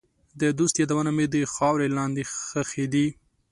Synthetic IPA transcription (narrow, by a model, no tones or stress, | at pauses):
d̪əd̪ust̪jɑd̪awənamed̪əxɑwɾelɑnd̪exəxed̪i